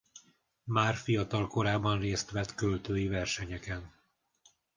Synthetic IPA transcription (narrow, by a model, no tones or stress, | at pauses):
maːrfijɒt̪ɒlko̞ɾaːbɒnreːst̪ʋɛt̪kølt̪øːjivɛrʃɛɲɛkɛn